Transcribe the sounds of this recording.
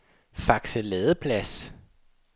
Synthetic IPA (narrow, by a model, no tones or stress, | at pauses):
fɑ̈ɡ̥səlɛːðˠəpʰlæs